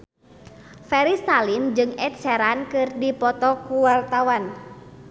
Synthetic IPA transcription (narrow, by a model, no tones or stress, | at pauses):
fɛɾist̪alimd͡ʒɨŋɛt̪̚sɛɾankɨrdipɔt̪ɔkuwart̪awan